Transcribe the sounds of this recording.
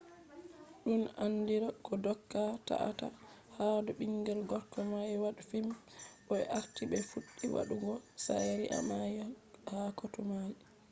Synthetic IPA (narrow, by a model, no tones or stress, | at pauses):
ɗunanːdiɾakɔdɔkːata̰ʔa̰ta̰ | haduɓiŋɡɛlɡɔɾkːɔmajwaɗufimɓɔɛ̰ʔaɾtiɓɛfuɗːiwa̰ɗuɡɔsajɾiʔa̰majhakotumaji